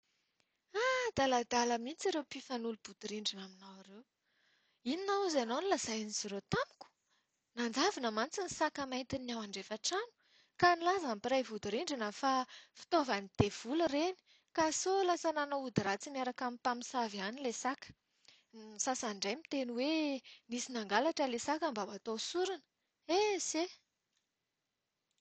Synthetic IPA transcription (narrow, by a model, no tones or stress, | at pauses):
ad̪̥alad̪aləmit͡siɾewpifanulub̥ud̪̥iɾiɳɖ͡ʐinaminawaɾew | ininauzanownilazajniziɾet̪amu̥ku̥ | nand͡zavinəmant͡sinisakəmajnt̪inawaɳɖ͡ʐefaʈ͡ʂanu̥ | kanilazampiɾajvud̪iɾiɳɖ͡ʐinəfafi̥t̪ovanid̪̥ev̥ulureni̥ | kasolasananoud̪iɾat͡simiaɾakamipamisavianilesakə̥ | sasaɳɖ͡ʐajmit̪enuwenisinaŋɡalaʈ͡ʂəlesakəmbabat̪osuɾinə̥ | ese